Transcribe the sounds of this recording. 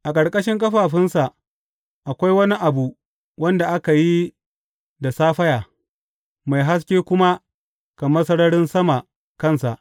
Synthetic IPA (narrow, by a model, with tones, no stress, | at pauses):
ʔa˨kʼɐ˨ɽkʼɐ˦ʃɪ˦ŋk̬ɐ˦ɸaː˨ɸɪ˦nsa˨ʔ | ʔa˨kʷa˦jwɐ˦ni˦ʔa˨bu˨ʔ | wɐ˦nda˨ʔa˦ka˨ji˦ | da˨saː˦ɸɐ˦jaː˨ | ma˨jɦa˦s̬kʲeː˦kʷʊ˦ma˦ | kɐ˨mɐ˦sɐ˦ɽɐ˦ɽɪ˦nsɐ˦ma˨ | kɐ˦nsa˨ʔ